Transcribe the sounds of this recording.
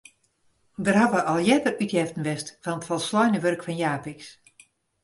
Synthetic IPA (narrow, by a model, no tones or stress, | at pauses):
dərɦaʋəʔɔlˠjɛdərytjɛftən̩ʋɛstfɔnətfɔlˠslɔjnəʋørkfɔnjaːpɪks